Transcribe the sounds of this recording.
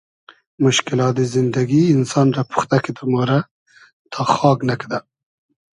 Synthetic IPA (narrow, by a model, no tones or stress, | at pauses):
mʊʃkɪlɑːt̪̚d̪izɪnd̪aɡiːnsɑnɾapu̥xt̪akit̪əmoɾa | t̪ʰɑxɑːɡnakd̪a